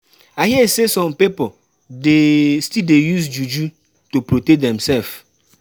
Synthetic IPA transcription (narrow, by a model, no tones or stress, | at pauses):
aɦiɛsesɔ̃mpipo | destildejus̬d͡ʒud͡ʒu | topɾotedɛ̃msɛlf